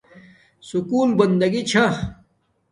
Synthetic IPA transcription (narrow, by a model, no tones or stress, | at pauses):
sukuːlbɐnd̪ɐɡit͡ɕʰa